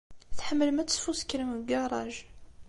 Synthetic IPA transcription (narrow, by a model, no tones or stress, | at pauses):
θħəmːəlmæt̪ə̥sfuskːɾəməɡɑɾˤɑ̰ʒ